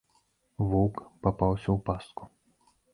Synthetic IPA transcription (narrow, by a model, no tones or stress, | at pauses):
vukpapawsʲɐwpast̪ku